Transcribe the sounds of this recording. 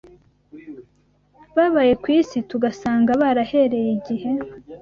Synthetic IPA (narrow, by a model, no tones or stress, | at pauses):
βaβaje̞kwiːsituɡasaːŋɡaβaɾahe̞ɾe̞jiɟihe̞